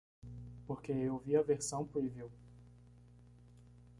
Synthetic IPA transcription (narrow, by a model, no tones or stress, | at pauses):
poɾkeewwviɐveɾsɐ̃w̃puiviw